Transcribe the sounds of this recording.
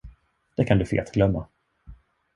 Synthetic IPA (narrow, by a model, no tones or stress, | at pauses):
d̪̥ɛkʰand̪ɵfḛːlt̪ɡlœmːa̰